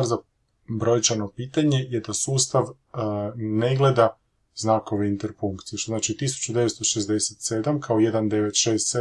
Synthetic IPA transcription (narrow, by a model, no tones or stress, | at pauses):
aɾza | bɾo̞jt͡ʃanopiːt̪aɲe̞jed̪asuːst̪aʋ | ne̞ɡle̞d̪a | znako̞ʋeint̪eɾfuŋkt̪sijeʃt̪oznaːt͡ʃit̪isu̥t͡ɕud̪e̞ʋest̪o̞ʃezd̪eset̪se̞d̪amkʰaoje̞d̪and̪e̞ʋe̞t̪ʃe̞ːst̪se